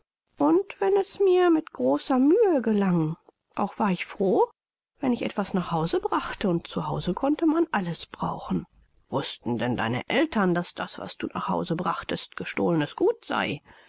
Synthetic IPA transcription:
ʔʊntv̥ɛnɛsmiːɐmɪtɡ̥ʁoːsɐmyːəɡəlaŋ | ʔa̰ʊxv̥aːɐɪçfʁ̥oː | vɛnɪçʔɛ̰tv̥asnaːχhaʊzəbʁaχtəʊnt̚t͡suhaʊzəkʰɔntəmanʔaləsb̥ʁa̰ʊxn̩ | v̥ʊstn̩dɛnda̰ɪnə̰ʔɛltɐndasd̥a̰sv̥a̰sd̥ṵːna̰ːχha̰ʊzəbʁaχtəstɡ̥əʃtoːlənəsɡ̥uːtz̥a̰ɪ

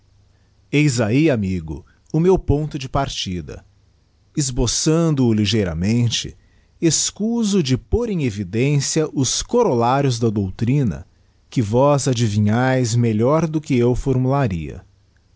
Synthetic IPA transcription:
ejzaiamiɡʊ̰ | ʊmewpõnt̪ʊd͡ʒɪpaɾt͡ʃid̪ɐ̰ | ɪzbosɐ̃nd̪ʊːliʒejɾɐ̰mẽnt͡ʃɪ̰ | eskuzʊd͡ʒɪpoɾẽj̃evid̪ẽsiɐʔʊskoɾolaɾjʊzd̪ɐd̪owt̪ɾĩnɐ̰ | kɪvɔzad͡ʒivĩɲajzmeʎɔɾd̪ʊkɪewfoɾmulaɾḭɐ̰

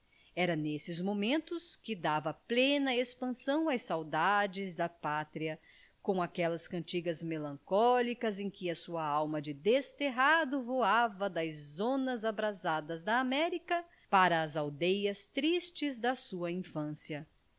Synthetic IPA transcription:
ɛɾɐnesɪzmomẽnt̪ʊskɪd̪avɐplẽnɐespɐ̃sɐ̃w̃ɐjsawd̪ad͡ʒɪzd̪ɐpat̪ɾiɐ | kõakɛlɐskɐ̃nt͡ʃiɡɐzmelɐ̃ŋkɔlikɐzẽj̃kɪɐsuɐawmɐd͡ʒɪd̪est̪eɦad̪ʊvoavɐd̪ɐzzõnɐzabɾazad̪ɐzd̪ɐːmɛɾikɐ | paɾɐːzawd̪ejɐst̪ɾist͡ʃɪzd̪ɐsuɐĩfɐ̃siɐ

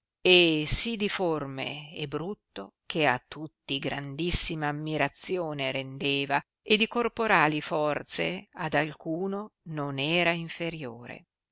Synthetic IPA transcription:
esid̪iformḛebɾut̪ːok̟ʰeat̪ːut̪ːiɡɾand̪isːimaːmːiɾat̪sjoːneɾend̪eːva | ed̪ikorpoɾaːlifɔrt̪sead̪alkuːnononɛːɾaiɱfeɾjoːɾḛ

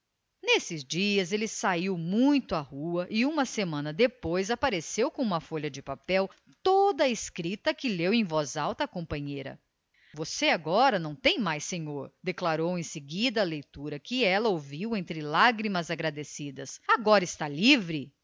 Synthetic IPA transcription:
nesɪzd͡ʒiɐzelɪsaiwmũj̃t̪ʊahuɐʔiũmɐsemɐ̃nɐd̪epojzapaɾesewkõũmɐfoʎɐd͡ʒɪpapɛw | t̪od̪ɐɪskɾit̪ɐkɪlewẽj̃vɔzawt̪ɐːkõpɐ̃ɲejɾɐ̰ | voseaɡɔɾɐnɐ̃w̃t̪ẽj̃majsẽɲoɾd̪eklaɾowẽj̃sɪɡid̪ɐːlejt̪uɾɐkɪɛlɐowviwẽnt̪ɾɪlaɡɾimɐzaɡɾad̪esid̪ɐsaɡɔɾɐɪst̪alivɾɪ

